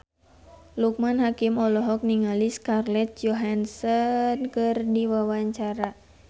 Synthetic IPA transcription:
luk̚manɦakimɔlɔɦɔk̚niŋaliskarlɛt̪̚d͡ʒɔɦansɔnkɨrdiwawaɲt͡ʃaɾa

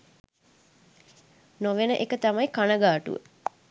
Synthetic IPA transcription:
noʋenəʔekət̪amajkanəɡaːʈṵʋə̰

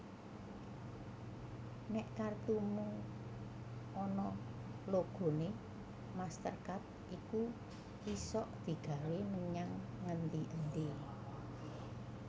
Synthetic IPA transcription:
nɛʔkart̪umu | ɔnɔloɡ̥o̤ne | mast̪ə̰rkat̪̚ʔiku | wisɔʔd̪̥i̤ɡ̥a̤weməɲaŋːənt̪iʔənt̪i

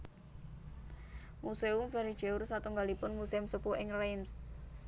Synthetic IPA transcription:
museʊmpaɾidʒ̥eʊrsat̪uŋɡalipʊnmuseumsəpuʔɪŋrejms

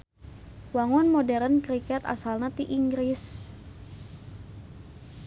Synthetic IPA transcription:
waŋɔnmodɛɾənkɾikɛt̪a̰salnat̪iʔiŋɡɾis

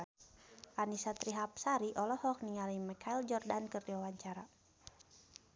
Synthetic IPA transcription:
ʔanisat̪ɾiɦap̚saɾiʔɔlɔhɔk̚niŋalimɛkʰaild͡ʒɔrdankɨrdiwawaɲt͡ʃaɾa

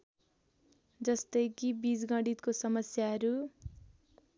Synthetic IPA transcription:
d͡zʌst̪ʌjkibid͡zɡʌ̃ɽit̪kosʌmʌsjaɦʌɾu

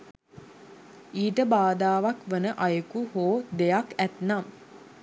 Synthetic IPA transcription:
iːʈəbaːd̪aːʋakʋənəʔajəkuhoːd̪ejakæt̪nam

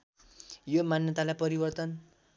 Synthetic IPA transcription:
jomanjʌt̪alajpʌɾibʌrt̪ʌn

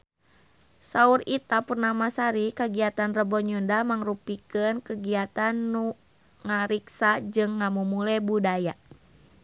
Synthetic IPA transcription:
saurit̪apurnamasaɾikəɡiat̪anrəbɔɲundamaŋrupikənkəɡiat̪anːu | ŋaɾiksad͡ʒɨŋːamumulɛbudaja

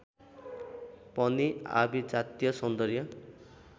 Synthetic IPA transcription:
pʌnia̰bid͡zat̪ijʌsʌnd̪ʌɾjʌ

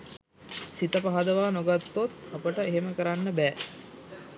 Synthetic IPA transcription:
sit̪əpaɦad̪əʋaːnoɡat̪ːot̪apəʈəeɦeməkəɾanːəbɛː

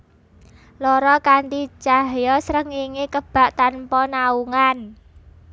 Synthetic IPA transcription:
lɔɾɔkant̪it͡ʃaɦjɔsɾəŋiŋekəb̥a̤ʔt̪anpɔnauŋan

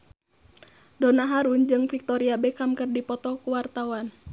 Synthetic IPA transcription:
dɔnaɦaɾund͡ʒɨŋfik̚t̪ɔɾiabɛkamkɨrdipɔt̪ɔkuwart̪awan

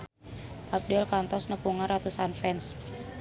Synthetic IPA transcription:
ʔap̚dɛlkant̪ɔsnəpuŋarat̪usanfɛns

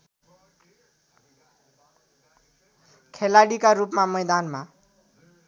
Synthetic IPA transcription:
kʰelaɽikarupmamʌjd̪anma

